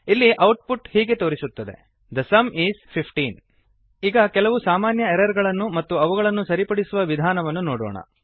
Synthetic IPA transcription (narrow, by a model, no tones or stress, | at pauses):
ilːiʔɐwʈ̚puʈhiːɡe̞t̪o̞ːɾisut̪ːɐd̪e̞̰ | d̪ɐsɐmiːzpʰipʰʈiːn | iːɡɐkɛlɐʋusaːmaːnjɐɛɾɐɾɡɐɭɐnːumɐt̪ːuɐʋuɡɐɭɐnːusɐɾipɐɽisuʋɐʋid̪ʱaːnɐʋɐnːunoːɽɔ̰ːɳɐ̰